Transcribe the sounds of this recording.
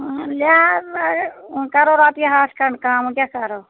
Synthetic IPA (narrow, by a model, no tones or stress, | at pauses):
la | kəɾoːɾaːt̪jaɦaːskəɳkaːmũkʲaːkəɾoː